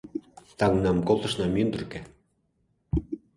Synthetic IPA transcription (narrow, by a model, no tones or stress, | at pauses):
t̪ɑŋnɑmkolˠt̪ɤ̆ʃnɑmynd̪ə̆rkĕ